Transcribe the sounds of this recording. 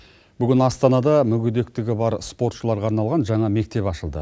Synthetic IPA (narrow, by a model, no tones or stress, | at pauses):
b̥ʏɡʲɪnɑst̪ɑnɑd̪ɑmʏɡʲɪd̪e̞k̚t̪ɪɡʲɪbɑɾspo̞ɾt̪ʃəlˠɑɾʁɑɾnɑlˠʁɑnʒɑɴɑme̞k̚t̪e̞pɑʃəlˠd̪ə̰